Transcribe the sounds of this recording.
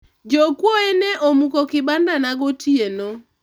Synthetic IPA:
d͡ʒokwoeneʔomukokɪbandanaɡotʰieno

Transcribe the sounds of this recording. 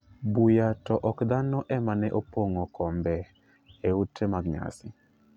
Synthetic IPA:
bujatɔʔɔkd̪anɔʔɛmanɛʔopoŋokʰɔmbɛ | eutʰemaɡɲa̰sɪ

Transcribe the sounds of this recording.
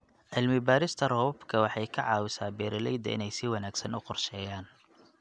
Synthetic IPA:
ʕɪlmɪbaːɾɪst̪ʰɐrɔbɔbkʰɐwɑħɑjkʰɐʕɑːwɪsaːbɛːɾɪlɛ̰jd̪ɐ̰ʔɪ̰nɛjsɪwɑnaːɡsɐnʊqɔrʃɛːjaːn

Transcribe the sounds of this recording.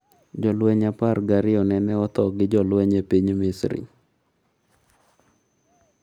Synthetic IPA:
d͡ʒɔlwɛɲaparɡaɾɪɔnɛnɛɔt̪ɔɡɪd͡ʒɔlwɛɲepiɲmɪsɾɪ̰

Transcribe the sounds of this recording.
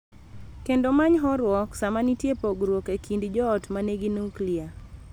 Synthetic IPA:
kendomaɲɦɔɾwɔksamanitjepoɡɾwokekindd͡ʒɔːtmaneɡinuklia

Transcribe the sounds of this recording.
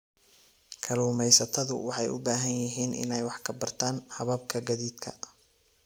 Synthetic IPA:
kʰɐluːmɛjsɐt̪ʰɐðʊ̰wɑħɑjʔʊ̰baːɦɐnjɪɦiːnʔɪ̰nɛjwɑħkʰɐbɐrt̪ʰaːnhɑβɐb̚kʰɐɡɐðiːd̪kʰɐ̰

